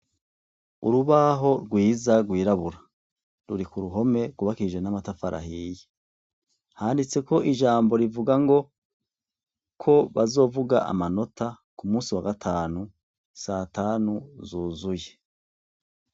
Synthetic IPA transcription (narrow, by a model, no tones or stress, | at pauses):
ṵɾuβaɦo̞ɾɡwiːzaɾɡwiːɾaβuɾa | ɾuɾikuɾuɦo̞me̞ɾɡuβakiiʒe̞namatafaɾʔa̰ɦije | haːndit͡se̞ko̞ʔiʒaːmbo̞ɾivuɡaŋɡo̞ | kʰo̞βazo̞ːvuɡa̰ʔa̰mano̞tʰa | kumuːsiwaɡatʰaːnu | sataːnuzuːzuje